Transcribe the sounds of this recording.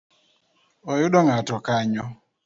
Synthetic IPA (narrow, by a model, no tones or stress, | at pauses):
ɔjʊɗɔŋatɔkaɲɔ